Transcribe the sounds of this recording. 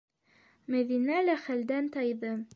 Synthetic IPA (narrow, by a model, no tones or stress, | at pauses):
mæðinælæχæld̪ænt̪ɑjðɤ